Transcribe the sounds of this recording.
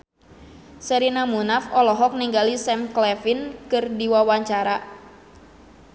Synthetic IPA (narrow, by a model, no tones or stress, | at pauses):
səɾinamunafɔlɔɦɔk̚niŋɡalisɛmklɛfinkɨrdiwawaɲt͡ʃaɾa